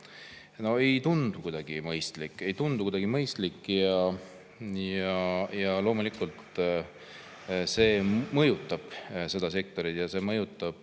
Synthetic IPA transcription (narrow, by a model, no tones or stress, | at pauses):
no̞e̞jt̪und̪̥ukujd̪̥ɑɡ̥imɤjst̪likːˑe̞jt̪und̪̥ukud̪̥ɑɡimɤjst̪likːˑjɑ | jɑjɑlo̞ːmulikːˑult̪ | se̞ːmɤjut̪ːˑɑb̥se̞d̪̥ɑse̞k̚t̪o̞ɾit̪jɑse̞mɤjut̪ːˑɑb̥̚